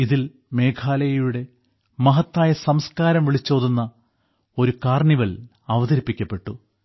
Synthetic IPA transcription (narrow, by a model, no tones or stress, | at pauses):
iðil | me̞ːkʰaːlɐjɐjuɽe̞ | mɐɦɐt̪ːaːjɐsɐmskaːɾɐmʋiɭit͡ɕːo̞ːðunːɐ | o̞ɾukaːrɳiʋɐl | ɐʋɐðɐɾipːikʲːɐpːe̞ʈːu